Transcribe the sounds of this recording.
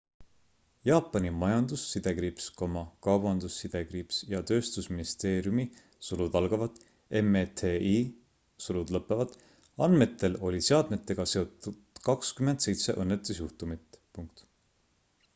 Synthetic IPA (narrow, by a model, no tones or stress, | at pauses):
jɑːpːˑɑnʲimɑjɑnd̪̥usːid̪̥e̞kɾipsko̞mɑkɑwbɑnd̪̥usːid̪̥e̞kɾipsjɑt̪ø̞ːst̪usminist̪e̞ːɾjumi | sulud̪̥ɑlɡ̥ɑvɑd̪ˑ | e̞met̪ʰei | sulud̪lɤpːˑevɑd̪̥ˑ | ɑnme̞t̪ːˑe̞lo̞lʲise̞ɑd̪̥me̞t̪ːˑe̞ɡ̥ɑse̞o̞t̪ːˑud̪̥kɑkskyme̞nd̪̥se̞jt̪se̞̰ʔɤnːet̪ːˑusjuht̪umit̪ˑpuŋk̚t̪